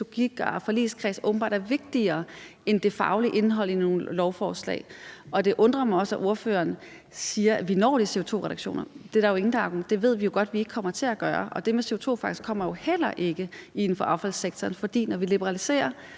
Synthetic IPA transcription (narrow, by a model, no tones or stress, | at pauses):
t͡soɡ̥iɡ̥ɐfɒ̽lḭːlskʰʁɛsʔɔːb̥m̩b̥ɑ̈ːd̥æɐʋe̝ɡ̥̚d̥iɐːend̥e̝fɑ̈ʊliʔe̝nɦɒ̽l̰ino̝ːnlɒʊfɒːslɛ̰ːɪɒ̽d̥e̝ʔɔ̽nd̥ʁɐmɑ̈ɒ̽sæʔo̝ɐfø̰ːɐːn | siːɐæʋinɒ̰ːd̥ise̝o̝t͡sʰo̝̰ːʁɛɾ̥ɑ̈ɡ̥ɕo̝̰ːnɐd̥e̝dɑɐjoe̝ŋn̩d̥ɑ̈ɡod̥e̝ʋe̝ð̞̰ˠʋijo̝ɡ̥ɒ̽d̥ʋie̝ɡ̥əkʰɒ̽m̰ɐt͡sʰe̝æɡ̥ɶːɐʔɒ̽d̥e̝mese̝o̝t͡sʰo̝̰ːfɑ̈ɡ̥i̥skʰɒ̽m̰ɐjo̝hel̰ɐʔe̝ɡ̥əin̩fɒ̽ʔɑ̈ʊfæl̰seɡ̥̚t͡sʰɒːnfɒ̽d̥ḭːnɒʋilib̥əʁɑ̈lise̝̰ːɐ